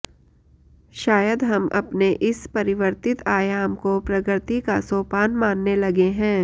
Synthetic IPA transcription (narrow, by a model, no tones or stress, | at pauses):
ʃaːjəd̪ɦɐmʔɐ̰pneʔɪspɐɾɪʋəɾt̪ɪt̪aːjaːmkopɾɐɡɾt̪ikasoːpaːnmãːnːelɐɡeɦɛ̃ː